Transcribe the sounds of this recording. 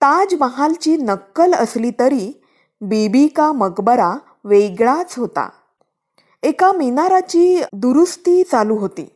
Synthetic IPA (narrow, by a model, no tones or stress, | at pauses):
t̪ad͡ʑməɦalt͡ɕiːnəkːələsliːt̪əɾiː | bibikaməɡbəɾa | ʋeɡɭat͡sɦot̪a̰ | ekaminaɾat͡ɕiːd̪uɾust̪iːt͡saluɦot̪ḭː